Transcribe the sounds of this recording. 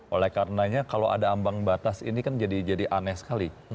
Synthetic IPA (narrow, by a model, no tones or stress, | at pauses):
ʔolɛhkaɾənaɲakaloʔa̰daːmbaŋbat̪asḭnikand͡ʒadid͡ʒadiʔanɛsə̥kali